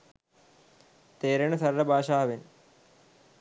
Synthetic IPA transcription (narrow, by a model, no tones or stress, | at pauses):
t̪eːɾɐɳɐsɐɾlɐbʱaːʂaːʋen